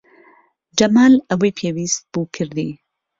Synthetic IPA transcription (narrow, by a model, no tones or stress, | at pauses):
d͡ʒɐmaːlɐwejpʰeːwiːst̪̚b̥uːkʰɨɾd̪ḭː